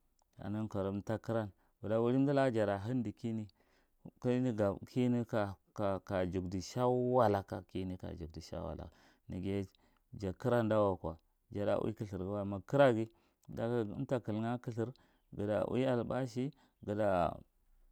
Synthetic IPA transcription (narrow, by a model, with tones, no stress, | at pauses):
a̰˨ni˦nko˨ɾmta˦ki˦ɾa˦n | wu˨da˨wu˦li˦di˦la˦d͡ʒa˨da˨ɦi˦ndi˨ki˦ni˦ | ki˦ni˦ɡa˨kʰi˦ni˦ka˨ka˨ka˨d͡ʒu˨ɡdi˨ʃa˦wa˨la˨ka̰˨ki˦ni˦ka̰˨d͡ʒu˨ɡ̚di˨ʃa̰˦wa̰˨la̰˨ | ni˨ɡe˦ | d͡ʒa˨ki˦ɾa˦nda˦wa˨ka˨ | d͡ʒa˨da̰˨wḭ˦ki˦ɬi˨ɾɡi˦wa˦˨ma˨ki˦ɾa˦ɡi˦˨˦ | da̰˦ta˦ki˨lŋa˦ki˦ɬi˦ɾ | ɡə˨da̰˨wʔḭ˦a˨lba˦ʃ̬i˦ | ɡə˨da˨